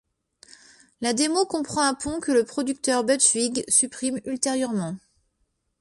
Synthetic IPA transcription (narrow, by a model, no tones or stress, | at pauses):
lad̪emokɔ̃pχɑ̃ɛ̃pʰɔ̃kələpχɔd̪yk̚t̪œʁbœt̪viɡsypχimylt̪eʁjœʁmɑ̃